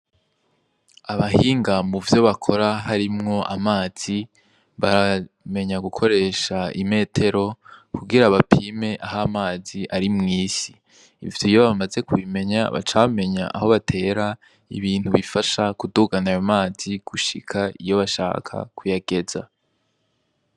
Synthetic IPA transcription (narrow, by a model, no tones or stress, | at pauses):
aβaɦiːŋɡamuvjo̞βakʰo̞ɾaɦaɾimŋo̞ʔamaːz̥i | βaɾame̞ɲaɡukʰo̞ɾe̞ːʃaime̞ːtʰe̞ɾo̞kʰuɡiɾaβapʰiːme̞ʔahamaːziʔaɾimŋiːsḭː | vjoijo̞βamaze̞kuβime̞ɲa̰βa̰t͡ʃame̞ɲa̰ʔa̰ho̞βatʰe̞ːɾa | ḭβiːn̥huβifaʃakuduɡanajomaːz̥iɡ̥uʃḭkʰaḭjo̞βaʃa̰ːkʰa̰kʰujaɡ̥e̞za̰